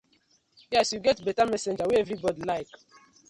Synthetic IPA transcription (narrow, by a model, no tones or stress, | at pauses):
jɛsjuɡɛtbɛtamɛsɛ̃nd͡ʒaweɛvɾibɔdilaɪk